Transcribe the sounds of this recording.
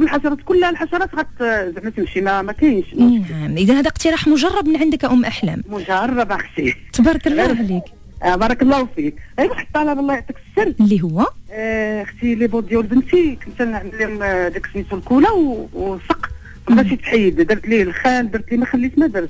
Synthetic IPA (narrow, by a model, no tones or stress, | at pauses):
bəlħɑʃɑɾˤɑt̪kʊlːlħɑʃɑɾˤɑt̪ɣæt̪zəʕmət̪əmʃimæmækæjənʃnæmʔəd̪ænhæd̪æqt̪iɾˤɑħmʊʒɑrˤːɑbmənʕand̪əkæʔʊmːʔaħlæ̰mmʊʒɑrˤːɑbaxt̪it̪bɑɾˤɑkəlːæɦlik | bɑɾˤɑkəlˤːɑfik̚æbæħə̥t̪ːɑʕlæwɑlˤːɑjʕt̪əksːəɾlːiɦʊwːæ | xt̪ilibod̪jawlbənt̪ikənt̪ælnəʕməlːimd̪æksmisulkulawsˤəqː | bæʃit̪ħiːd̪d̪əɾˤt̪lilxæld̪əɾˤt̪limæxælːit̪mæd̪ɾs